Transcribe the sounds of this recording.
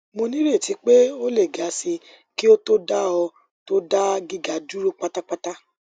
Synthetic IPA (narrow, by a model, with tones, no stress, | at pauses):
mo˧nĩ˦ɾe˦˨ti˨˦k͡pe˦o˦le˦˨ɡa˨˦si˧ | ki˦o˦to˦da˦ɔ˧ | to˦da˦ɡi˦ɡa˨du˦ɾo˦k͡pa˦ta˦k͡pa˦ta˦